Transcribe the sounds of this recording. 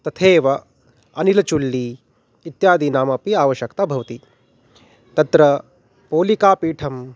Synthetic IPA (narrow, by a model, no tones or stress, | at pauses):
t̪ɐt̪ʰeːʋɐ | ɐnilɐt͡ʃulːiː | t̪jaːd̪inaːmɐpiaːʋɐʃjɐkt̪abʱɐʋɐt̪i | t̪ɐt̪ɾɐ | poːlikaːpiːʈʰɐm